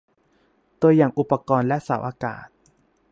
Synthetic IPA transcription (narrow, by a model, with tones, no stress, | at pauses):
t̪u˧əjaː˨˩ŋʔu˨˩pːa˧kɔː˧nlɛ˦˥saː˩˦wʔaː˧ka̰ː˨˩t̪̚